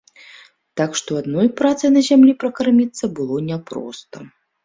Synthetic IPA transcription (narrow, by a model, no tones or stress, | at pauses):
t̪akʂt̪ɔad̪nɔjpɾat̪sɨjnɐzʲamlʲipɾɐkarmʲit̪sːɐbɨlˠɔnʲɛpɾɔ̰st̪ɐ